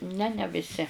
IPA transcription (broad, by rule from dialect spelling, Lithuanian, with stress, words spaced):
nʲɛ nʲɛ ʋʲɪˈsʲɪ